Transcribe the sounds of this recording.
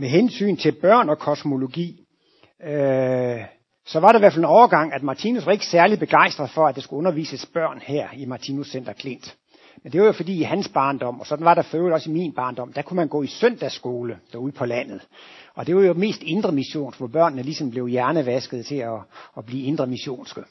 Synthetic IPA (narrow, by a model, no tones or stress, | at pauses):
meɦensy̰ːnt͡sʰe̝lb̥ɶɐ̰nɒ̽kʰɒ̽smo̝lo̝ɡ̥ḭː | sɒ̽ʋɑ̈ɾ̥ɑ̈iʋæɐfelenɒʊɐɡ̥ɑ̈ŋ̰æd̥mɑ̈t͡sʰiːnusʋɑ̈e̝ɡ̥əsæɐlid̥̚b̥e̝ɡ̥ɑ̈ɪ̰sd̥ʁɐðˠfɒ̽ædd̥ɑsɡ̥uɔ̽nɐʋḭːsəsb̥ɶɐ̰nhæɐ̰imɑ̈t͡sʰiːnusːen̰d̥ɐkʰle̝n̰d̥ | mend̥e̝ʋɑ̈jo̝fɒ̽d̥ḭːhænsb̥ɑ̈ːnd̥ɒ̽m̰ɒ̽sɒ̽d̥n̩ʋɑ̈ɾ̥ɑ̈føːʊl̩ˠɒ̽siminb̥ɑ̈ːnd̥ɒ̽m̰d̥ækʰumænɡ̥ɔ̰ːisøn̰d̥æsːɡ̥o̝ːləd̥æuð̩ˠpʰɒ̽læn̰ð̞̩ˠ | ɒ̽d̥e̝ʋɑjo̝me̝̰ːsd̥e̝nd̥ʁɐmiɕo̝̰ːnsʋɒb̥ɶɐ̰nːəlisɒ̽mb̥le̝ʊjæɐnəʋæsɡ̥ð̩ˠt͡sʰe̝ɒːb̥liːe̝nd̥ʁɐmiɕo̝̰ːnsɡ̥ə